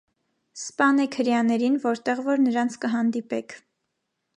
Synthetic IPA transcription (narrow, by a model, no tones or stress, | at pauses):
spɑnɛkʰəɾjɑnɛɾinvɔɾt̪ɛʁvɔɾnəɾɑnt͡sʰkəɦɑnd̪ipɛkʰ